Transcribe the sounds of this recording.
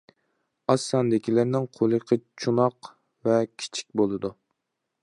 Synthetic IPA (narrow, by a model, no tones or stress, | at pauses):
ɑsːɑnd̪ɪkʲilɪɾnɪŋqʰolˠɨqʰət͡ʃʰunɑq | vɛkʲʰi̥t͡ʃʰi̥k̚ʲbolˠɨd̪u